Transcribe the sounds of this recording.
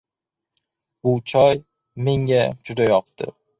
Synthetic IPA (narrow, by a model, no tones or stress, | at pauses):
b̥ʊt͡ʃʰɒj | me̞ŋʲad͡ʒʊd̪ajɒqt̪ɪ̰